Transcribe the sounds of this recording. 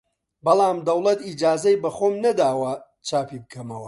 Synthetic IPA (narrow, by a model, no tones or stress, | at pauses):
bɐlˠaːmd̪ɐwlˠɐt̪iːd͡ʒaːzɐjbɐxoːmnɐd̪aːwɐ | t͡ʃaːpibɨkʰɐmɐwɐ